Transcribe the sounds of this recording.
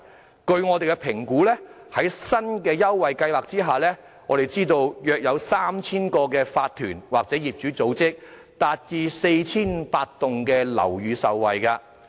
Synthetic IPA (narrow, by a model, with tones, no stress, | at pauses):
kɵ˧ɥŋɔː˨˧t̪e˨˩kɛ˧pʰɪ˨˩ŋkuː˨˥lɛː˥ | hɐ˨˥jsɐ˥nkɛː˧jɐ˥wwɐ˨jkɐ˧jwaː˨˩k̚t͡siː˥ɦaː˨˩lɛː˥ | ŋɔː˨˧ɾe˨jt͡siː˥t̪o˧wjœː˨˧k̚jɐ˨˧wsaː˥mt͡sʰiː˥nkɔː˧k̬ɛː˧faː˧t̚t̪ʰyː˨˩nwaː˨k̚t͡sɛː˨˥jiː˨˩p̚t͡ʃyː˨˥t͡so˨˥wt͡sɪ˥k̚ | t̪aː˨˧t̚t͡siː˧se˧jt͡sʰiː˥npaː˧t̚t̪ʊ˨ŋkɛː˧lɐ̰˨˩wjyː˨˧sɐ˨wːɐ˨jkaː˧